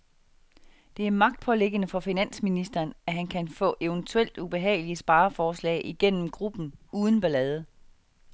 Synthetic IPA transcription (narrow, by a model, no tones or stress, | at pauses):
d̥e̝æɐmɑ̈ɡ̥̚d̥̚pʰɒ̽leɡ̥ənəfɒ̽finæn̰sminisd̥ɐːnæɦænkʰænfɔ̰̽ːʔeʊənt͡sʰuel̰d̥ub̥e̝ɦɛ̰ːɪliəsb̥ɑ̈ːɐfɒːslɛ̰ɪʔiɡ̥en̰m̩ɡ̥ʁub̥n̩uːð̞ˠn̩b̥ælɛːð̞ˠə